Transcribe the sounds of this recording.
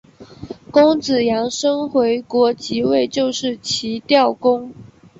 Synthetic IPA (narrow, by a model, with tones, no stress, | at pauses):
kʊ˥ŋt͡sɹ̩˨˩jɑ˧˥ŋʂɤ˥ŋxwe˧˥ɪkwɔ˧˥t͡ɕi˧˥we˥˧ɪt͡ɕjo˥˧ʊʂɻ̩˥˩t͡ɕʰi˧˥t̪jɑ˥˩ʊkʊ˥ŋ